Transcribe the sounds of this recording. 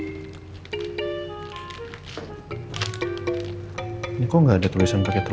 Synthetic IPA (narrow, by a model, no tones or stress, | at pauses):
nikoŋɡaːdat̪ulisanpakɛt̪ə